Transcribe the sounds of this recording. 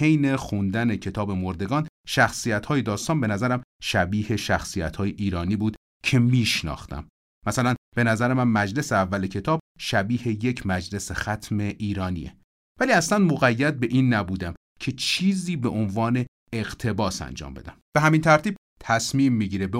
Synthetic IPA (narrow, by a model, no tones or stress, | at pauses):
he̞jne̞xund̪æne̞cʰe̞t̪ʰɒːbe̞moɾd̪e̞ɡɒːnʃæxsijæt̪hɒːje̞d̪ɒːst̪ɒːnbe̞næzæɾæmʃæbiːhe̞ʃæxsijæ̰t̪hɒːjeʔiːɾɒːniːbuːd̪̥ | cʰe̞miːʃnɒ̰ːxt̪æ̰mː | æsælænb̥e̞næzæɾemænmæd͡ʒle̞seævːælecʰe̞t̪ʰɒːb̚ʃæbiːhe̞je̞cʰmæd͡ʒle̞sexæt̪ʰme̞ʔiːɾɒːnḭːḛ | væliːæslænd̪moɣæjːæd̪̚be̞ʔiːnːæbuːd̪æm | cʰe̞t͡ʃʰiːziːbe̞ʔonvɒːne̞ | eɣt̪ʰe̞bɒːsæ̰nd͡ʒɒ̰ːmbe̞̰d̪æmb̥e̞ɦæmint̪ʰæɾt̪iːb̚ | t̪ʰæsmiːmːiɟiːɾebe